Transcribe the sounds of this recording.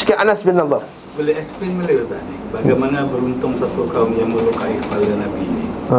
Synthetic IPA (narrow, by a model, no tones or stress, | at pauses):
skaʔanasbinaba | bolɛɦɛspinməɾiot̪a̰nibaɡajmanabəɾunt̪ʊŋsat̪ukaʊmjaŋməlukaikəpalanabini